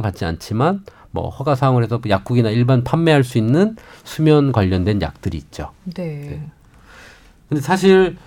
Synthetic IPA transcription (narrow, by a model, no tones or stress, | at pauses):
pat̚t͡ɕ͈ia̰nt͡ɕʰiman | mʌ̰hwʌɡasʰaŋɯɾɦe̞sʰʌjak̚k͈uɡinaiɭbanpʰamːe̞ɦaɭs͈uinːɯnsʰumjʌnkwaʎːʌndwe̞nja̰k̚t͈ɯɾḭːt̚t͡ɕ͈onene | kɯnde̞sʰaɕ̬ʰiɾ